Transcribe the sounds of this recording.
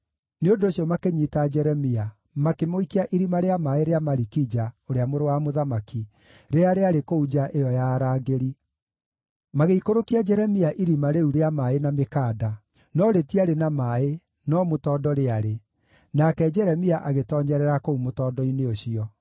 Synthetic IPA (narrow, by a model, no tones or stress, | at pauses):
neondoːɕjɔmakeɲitad͡ʒɛɾɛmia | makemoikiaʔiɾimaɾeamaeɾeamaɾikid͡ʒaoɾeamoɾowamoðamaki | ɾeaɾeaɾekoud͡ʒaʔejɔjaɾaːɡeɾi | maɣeikoɾokiad͡ʒɛɾɛmiaʔiɾimaɾeuɾeamaenamekaːda | nɔɾetiaɾenamae | nɔmotɔːdɔɾeaɾe | nakɛd͡ʒɛɾɛmiaʔaɣetɔːɲɛɾɛɾakoumotɔːdɔineoɕiɔ